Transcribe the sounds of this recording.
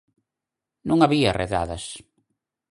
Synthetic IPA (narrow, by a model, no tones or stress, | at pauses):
nũŋaβiarḛða̰ðɐs